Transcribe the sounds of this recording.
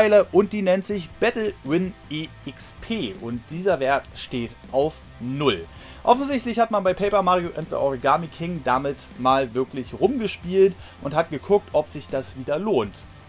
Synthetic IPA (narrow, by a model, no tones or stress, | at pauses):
ɪlɐʔʊnt̚d̥iːnɛntz̥ɪçb̥ɛtl̩wɪneːʔɪkspʰeːʔʊnt̚d̥iːzɐvɛːɐtʃteːtʔaʊf | nʊl | ʔɔfn̩zɪçtlɪçhatmanbaɪpʰɛɪpɐmaːʁioʔɛntðə̰ʔɔʁiɡaːmikʰɪŋdamɪtmaːlvɪɐklɪçʁʊmɡəʃpiːlt | ʔʊnthat̚ɡ̥əkʰʊk̚tʰʔɔpz̥ɪçd̥asv̥iːdɐloːnt